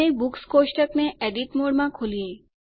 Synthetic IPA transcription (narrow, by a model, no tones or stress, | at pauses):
ebukskosʈəkneʔɛɖiʈmoɽmãkʰolie